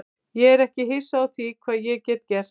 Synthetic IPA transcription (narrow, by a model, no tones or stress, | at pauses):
jɛɛɾɛhcɪɦejsawθikʰvaːðjɛɣcɛːt̪cɛr̥